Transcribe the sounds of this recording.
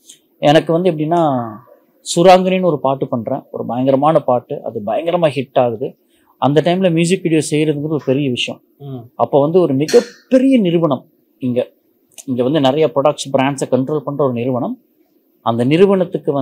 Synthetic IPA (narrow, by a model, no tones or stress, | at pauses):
ɛnɐkːɯʋɐnd̪ɯɛp̬ːɐɽɪnːaː | sʊɾaːŋɡɐninɯɔɾɯpaːɾʈːɯpɐɳːɾḛ̃ːɔ̰ɾɯbɐjɐŋɡɐɾɐmaːnɐpaːʈːɯʔɐ̰ðɯbɐjɐŋɡɐɾɐmaːɦɪʈːaːɣɯðɯ | ʔɐ̰nd̪ɐʈːɐɪmlɐmjuːs̬ɪkːʋɪɽjoːsɛjːɾɐðɯŋɡɐɾɐɔɾɯpɛɾɪjɐʋɪʂɐjɐ̰ɔ̃ | ɐpːoːʋɐnd̪ɯɔɾɯmɪɣɐpːɛɾɪjɐnɪɾɯʋɐɳɐm | ɪŋɡe | ɪŋɡeʋɐnd̪ɯnɪɾɐjapɾoɽɐkʈsbɾaːɳɖsɐkɐɳʈɾoːlpɐɳːrɐɔɾɯnɪɾɯʋɐɳɐm | ɐnd̪ɐnɪɾɯʋɐɳɐt̪ːɯkːɯʋɐ